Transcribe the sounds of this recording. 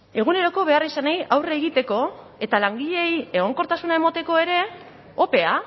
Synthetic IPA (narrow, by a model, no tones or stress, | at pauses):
e̞ɣ̞une̞ɾo̞ko̞βe̞arisanejawreːɣit̪e̞ko̞ | e̞t̪alaŋɡiʎe̞je̞ɣ̞o̞ŋko̞ɾt̪asunae̞mot̪e̞ko̞e̞ɾe̞ | o̞pe̞a